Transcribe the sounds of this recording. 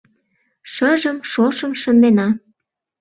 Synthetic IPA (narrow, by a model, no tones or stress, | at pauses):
ʃəʒəmʃoʃəmʃə̆nd̪enɑ